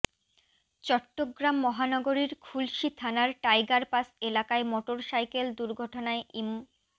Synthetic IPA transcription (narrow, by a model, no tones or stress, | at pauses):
t͡ɕɔʈːoɡɾamːɔɦanɔɡoɾiɾkʰulʃit̪ʰanaɾʈajɡaɾpaselakaemoʈoɾsajkeld̪uɾɡʱɔʈonaeʔim